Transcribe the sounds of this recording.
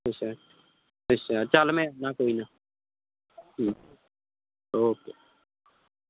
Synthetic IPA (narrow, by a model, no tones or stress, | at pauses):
osa | oːsat͡ʃaːlmɛ̃ːnaːkoːiːnaː | oːkeː